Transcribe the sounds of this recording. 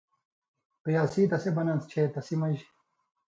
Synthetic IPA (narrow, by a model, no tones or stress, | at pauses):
pijaːsiːt̪ɐsebɐnɐnst͡ɕʰeːt̪ɐsimɐʑ